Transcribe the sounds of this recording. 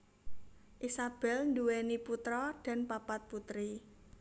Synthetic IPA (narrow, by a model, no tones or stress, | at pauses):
ʔisab̥ɛ̤lnduwɛniput̪ɾɔd̥a̤npapat̪̚put̪ɾi